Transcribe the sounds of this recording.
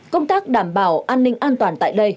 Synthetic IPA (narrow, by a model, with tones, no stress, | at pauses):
kə˧wŋ͡mt̪aː˦˥k̚ɗaː˨˩mɓaː˨˩wʔaː˧nːï˧ŋ̟ʔaː˧nt̪waː˨˩nt̪a̰ː˧˨jɗə˧j